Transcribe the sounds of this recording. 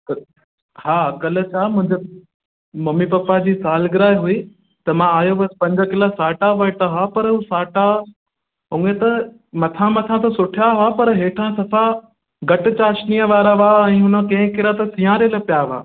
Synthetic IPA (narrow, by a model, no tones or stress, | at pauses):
kɐ | haːkɐlə̆t͡ɕʰaːmʊ̃ɦɪ̃ɲd͡ʑe | mɐmipɐpːad͡ʑiːsaːlɡɪɾaːɪɦui | t̪ɐmãaːjoʋɐspɐ̃ɲd͡ʑəkɪlasaːʈaʋɐɪʈaɦapɐɾɦusaːʈa | ʊ̃et̪ɐ | mɐt̪ʰãmɐt̪ʰãt̪ɐsʊʈʰijaɦapɐɾɦeːʈʰãsɐfʰa | ɡɐʈɪt͡ɕaːʃniːəʋaːɾaʋaɛ̃ːɦʊnə̆kɐ̃ɦɪ̃kɪɾat̪ɐsĩãːɾeləpijaʋa̰ː